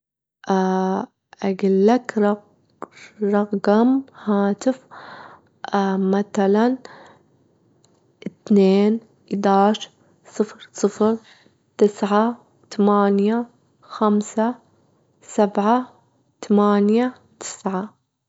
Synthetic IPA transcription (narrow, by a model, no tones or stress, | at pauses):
ʔa | ʔaɡɪlːakɾɑ | ɾˤɑqːɑmhaːt̪ɪf | maθalan | ʔɪt̪neːn | d̪aːʃ | sˤɨfɾsˤɨfɾ | t̪ɪsʕa | t̪amaːnja | xamsa | sabʕa | t̪amaːnja | t̪ʰɪ̥sʕa